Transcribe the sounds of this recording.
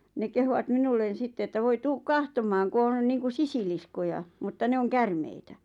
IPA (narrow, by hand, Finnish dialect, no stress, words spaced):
ne kehuʋɑt minulːen̞ sitːe etːæ ʋoi tuːk kɑhtomˑɑːŋ ku on niːŋku sisiliskojɑ mutːɑ ne oŋ kærmeitæ